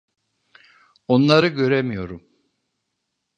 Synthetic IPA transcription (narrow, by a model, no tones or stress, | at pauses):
onlˠaɾɯɟø̞ɾɛmijo̞ɾum